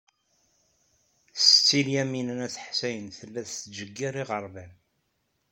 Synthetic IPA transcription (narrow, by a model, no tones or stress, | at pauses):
st͡sːiljæminənæθə̥ħsæjənθəlːæθθd͡ʒəɡːiɾˤiʁəɾˤvæn